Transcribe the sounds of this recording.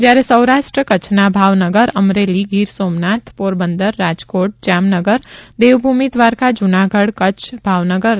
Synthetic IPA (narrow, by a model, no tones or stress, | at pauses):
d͡ʒjaɾesəwɾaʃʈɾəkət͡ʃʰnabʱaʋnəɡəɾəmɾeliɡiɾsoːmnat̪ʰpoɾbənd̪əɾːad͡ʒkoʈ̚d͡ʒamnəɡəɾd̪eʋbʱumid̪ʋaɾkad͡ʒʊnaɡʱəɽkət͡ʃʰbʱaʋnəɡəɾ